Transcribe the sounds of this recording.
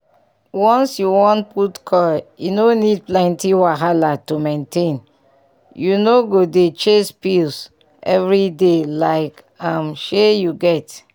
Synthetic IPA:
wɔ̃nsjuwɔ̃ntputkʰɔljunonid̚plɛ̃ntiwaɦalatumẽntʰẽn | junoɡodet͡ʃespils | ʔɛvɹidelaɪk | ãmʃejuɡɛt

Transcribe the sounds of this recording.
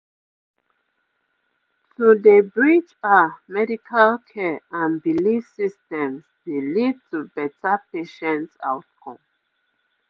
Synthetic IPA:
tʰudəbɹid͡ʒamɛdikʰalkʰɛãnbilisistɛ̃msdelid̚tʰubɛtapʰeʃɛ̃nta̰ʊtkʰɔ̃m

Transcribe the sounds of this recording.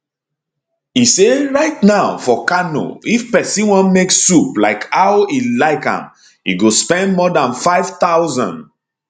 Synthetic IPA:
iseɹaɪtnaʊfɔkano̰ifpɛsĩwɔ̃nmeksuplaɪkaʊilaɪkã̰m | ḭɡospɛ̃ndmɔdãnfaɪv̥taʊzã̰n

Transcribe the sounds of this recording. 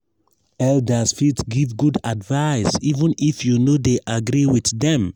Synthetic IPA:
ɛldasfitɡivɡudadvaɪsivə̃nifjunodeʔaɡɾiwiθdɛ̃m

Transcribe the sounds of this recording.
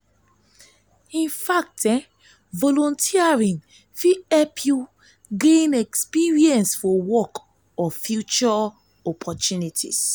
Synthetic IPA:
ĩnfak̚tɛ̃ | vɔlɔ̃ntʰiaɹĩn | fiɛpʰju | ɡẽnɛkspiɹiɛ̃nsfɔwɔk | ɔfjut͡ʃɔ | ɔpʰɔtunitʰḭs

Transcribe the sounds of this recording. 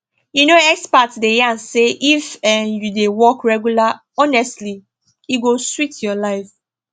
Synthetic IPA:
junoɛkspatdejãnseʔifɛjudewɔkɹɛɡjula | ɔnɛstli | iɡoswitjɔlaɪf

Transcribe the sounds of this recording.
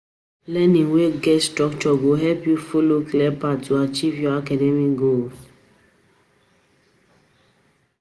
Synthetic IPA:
lɛnĩweɡɛtstɹɔkt͡ʃɔɡoɦɛpjufoloklɛpattuat͡ʃivjɔakɛdɛmiɡols

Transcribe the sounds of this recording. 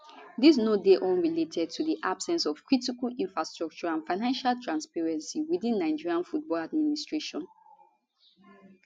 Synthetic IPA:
ðis̬nodeʔɔ̃nɹiletʰɛd̚tʰudiʔab̥sɛ̃nsɔv̥kɹitikalĩnfɹastɹɔk̚t͡ʃɔɹãnfaɪnãnʃaltʰɹãnspɛɹɛ̃nsiwiðĩnːaɪd͡ʒiɹiãnfut̚bɔlad̚ministɹeʃɔ̃n

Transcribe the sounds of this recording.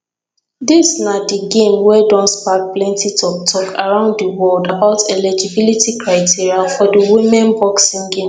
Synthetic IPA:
disnadiɡẽmwɛdɔ̃nspak̚plɛ̃ntitɔk̚tʰɔkʰaɹãʊ̃nddəwɔldabaʊtʰɛlɛd͡ʒibilitikʰɹaɪtiɹiafɔdəwimɛ̃nbɔksĩŋɡẽm

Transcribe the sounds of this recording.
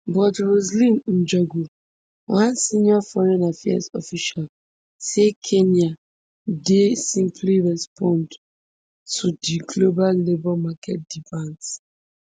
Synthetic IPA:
bɔtɹozlĩnn̩d͡ʒɔɡu | wãnsĩnjɔfɔɹɛ̃nafɛa̰sɔ̰fiʃal | sekʰena | desĩmpʰliɹɛspʰɔ̃nd | tʰudiɡloballebɔmakʰɛ̰t̚d̥ifãns

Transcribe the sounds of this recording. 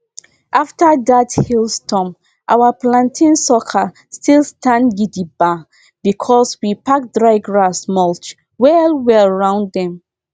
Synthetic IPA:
ʔaftadathilˠstʰɔ̃m | ʔawaplãntʰĩnsɔkʰa | stʰilstãndɡidiba | bikʰɔswipak̚dɹaɪɡɹasmɔlt͡ʃ | wɛlwɛɹãʊ̃nddɛ̃m

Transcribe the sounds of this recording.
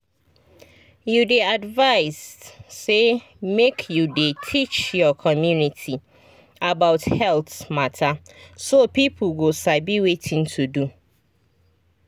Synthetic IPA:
judeadvaɪsː | e | mekʰjudetʰit͡ʃjɔkʰɔmjunitʰi | abaʊthɛlθmatʰasopipʰl̩ɡosabiwetʰɪ̃ŋtʰudu

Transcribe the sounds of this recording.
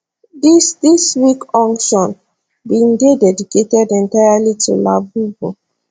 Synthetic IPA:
disdiswikɔ̃ŋʃɔ̃n | bĩnɡedɛdiketɛdɛ̃ntaalitʰṵlabubo̰

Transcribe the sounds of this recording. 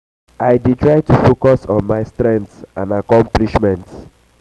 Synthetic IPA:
ajditɹaɪtufokɔsɔ̃nmaɪstɹɛ̃ntsãnakɔ̃mpliʃmɛ̃nt

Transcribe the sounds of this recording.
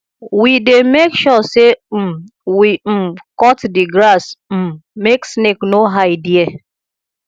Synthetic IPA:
widemekʃɔse | wim̩kɔtdiɡɾasm̩meksneknoɦaɪdie

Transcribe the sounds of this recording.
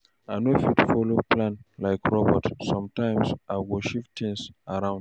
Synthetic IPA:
anofitufɔlopʰlãnlaɪkɹɔbətsɔ̃mtãɪ̃msʔawɔʃift̪ʰĩŋsaɹãʊ̃nd

